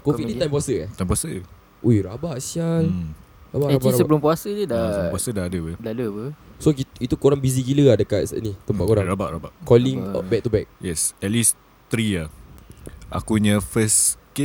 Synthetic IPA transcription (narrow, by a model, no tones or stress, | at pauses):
kofik̚nĩt̪ajmpuwasəat̪ajmpuwasə | ʔojɾabaʔsial | ɾabaʔabaɾasəbəlumpuasəd͡ʒədapuasədaadəwədaləpəsokiit̪ukoɾaŋbizikiləadəkat̪̚sənit̪əmpat̪̚koɾãŋɾaba̰ʔɾabaʔkɔliŋbɛk̚t̪ubɛk̚jɛsɛt̪̚lis | t̪ɾia | a̰kuɲə̃fəske